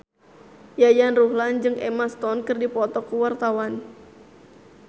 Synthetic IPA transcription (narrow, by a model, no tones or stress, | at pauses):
jajanruhland͡ʒɨŋʔɛmast̪ɔnkɨrdipɔt̪ɔkuwart̪awan